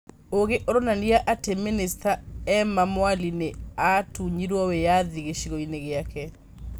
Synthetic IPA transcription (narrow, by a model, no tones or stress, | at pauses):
oɣeʔoɾonaniaʔateminestaɛmamwalineatuɲiɾwɔwejaðiɣeʃiɣoineɣeakɛ